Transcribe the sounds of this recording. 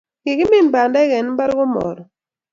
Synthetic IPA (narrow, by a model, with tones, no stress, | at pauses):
ɡɪ˨ɡɪ˦mɪ˦˨n˨ba˨nda˦ɡɛ˨n˦ba˦ɾɡʊ˦mɔ̰˨ɾɔ˨